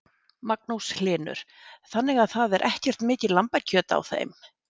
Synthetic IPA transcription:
mak̚nowslɪːnʏ̰ɾ̥ | θanːɪɣaðθaðɛɾʔɛhcɛr̥t̪mɪːcɪlampacʰœːt̪a̰wθḛjm

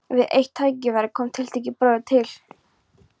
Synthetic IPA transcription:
vɪðʔḛjht̪ʰːaːjcɪvaɾɪkʰɔːmt̪ʰɪlt̪ʰeːjcɪpɾœːðt̪ʰɪl̥

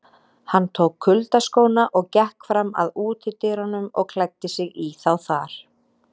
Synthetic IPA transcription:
hanːt̪ʰoːwkʰːʏlt̪askoːwnaʔɔɣcɛhkfɾama̰ðuːt̪ʰɪt̪ɪɾɔnʏmɔ̰ɣkʰlajk̚t̪ɪsɪɣiθawθaɾ̥

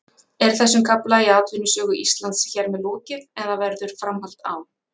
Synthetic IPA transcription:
ɛɾ̥θɛsːʏmkʰaplaiaːt̪ʰvʏnːʏsœːɣʏʔist̪lant̪sçɛɾmɛðlɔːcɪnɛnðavɛɾðʏɾ̥fɾamhal̥t̪aw

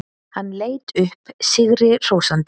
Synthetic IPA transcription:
hanːleːjt̪ʏhpsɪɣɾɪr̥oːwsant̪

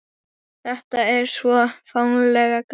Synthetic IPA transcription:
θɛht̪aɛɾ̥svɔfawnlɛːɣak

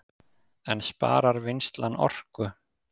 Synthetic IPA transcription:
ɛnspa̰ːɾaɾvɪnst̪lanɔ̰r̥kʏ

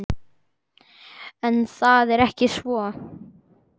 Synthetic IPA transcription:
ɛnθaðɛɾɛhcɪsvɔ

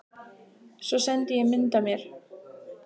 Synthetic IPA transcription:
sɔsɛnt̪ɪjɛɣmɪnt̪amjɛɾ̥

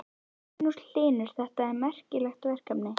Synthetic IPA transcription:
nuɾl̥ɪːnʏɾ̥θɛht̪aɛɾmɛr̥cɪlɛxt̪vɛr̥kapnɪ

